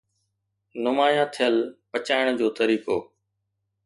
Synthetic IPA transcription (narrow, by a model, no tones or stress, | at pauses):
nʊmaːjãːt̪ʰɪjəlpət͡ɕaːɪɽ̃d͡ʑoːt̪əɾiːkoː